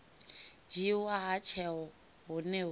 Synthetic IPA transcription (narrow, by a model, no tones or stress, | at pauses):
d͡ʒiwaɦat͡ʃʰɛɔ | ɦʊnɛ